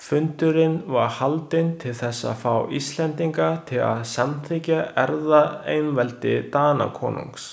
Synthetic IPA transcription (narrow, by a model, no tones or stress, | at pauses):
fʏnt̪ʏɾɪnvaɾhalt̪ɪnt̪ʰɪlθɛsːa̰ðfaːwist̪lɛnt̪iŋkat̪ʰɪla̰ðsamt̪ʰɪcaɛɾðaejnvɛlt̪ɪt̪aːna̰kʰɔ̰ːnṵŋks